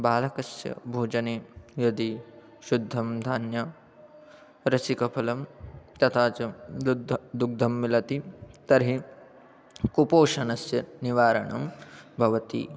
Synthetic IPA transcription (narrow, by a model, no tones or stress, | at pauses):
baːlɐkɐsjɐ̰bʱoːd͡ʒɐneːjɐd̪i | ʃud̪ʱːɐmd̪ʱaːnjɐ | ɾɐsikɐpʰɐlɐmt̪ɐt̪ʰaːt͡ʃɐdd̪d̪uɡ̚d̪ʱɐmːilɐt̪it̪ɐɾɦi | kupoːʃɐnɐsjɐniʋaːɾɐ̰ɳɐ̰mbʱɐʋɐt̪ḭ